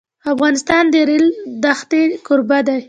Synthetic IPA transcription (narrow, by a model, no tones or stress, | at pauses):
afɣɑnɪst̪ɑnd̪əɾɪld̪axt̪ekʊɾbad̪aj